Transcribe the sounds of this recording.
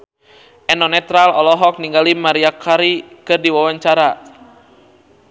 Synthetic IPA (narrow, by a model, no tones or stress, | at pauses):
ʔɛnɔnɛt̪ɾalɔlɔɦɔk̚niŋɡalimaɾiakaɾikɨrdiwawaɲt͡ʃaɾa